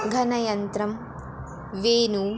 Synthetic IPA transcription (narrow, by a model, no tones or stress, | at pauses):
ɡʱɐnɐjɐnt̪ɾɐm | ʋeːnu